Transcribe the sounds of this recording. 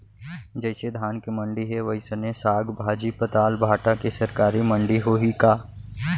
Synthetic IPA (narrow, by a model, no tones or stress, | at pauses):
d͡ʒɐɪsed̪ʱaːnkimɐ̃ɳɖiɦɛʋɐɦisɐnesaːɡbʱaːd͡ʒipɐt̪aːlbʱaːʈakesɐɾkaːɾimə̃ɳɖiɦoɦikaː